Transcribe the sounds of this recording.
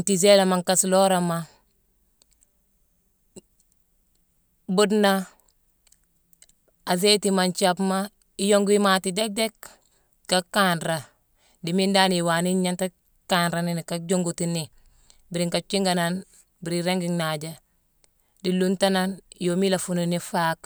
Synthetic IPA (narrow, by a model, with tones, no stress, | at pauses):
ntize˦la˨ma˨ŋka˦slo˦ɾama | bu˦dna | a˨ze˦tima˨nt͡ʃapma˦ | ijo˦ŋɡi˦ma˨ti˨de˦k̚de˦k | kːakanɾa˨ | di˨mi˦nda˦niwaː˨ni˦ɲa˦nta˦ | kanɾa˨ni˦ni˨ka˦d͡ʒo˦ŋɡutini | biɾi˨ŋka˨t͡ʃi˦ŋɡa˨na˦n | bi˨ɾiɾe˦ŋɡiŋnad͡ʒa˦ | dilu˦nta˦na˦njo˨mi˦la˨fu˨nuni˦fak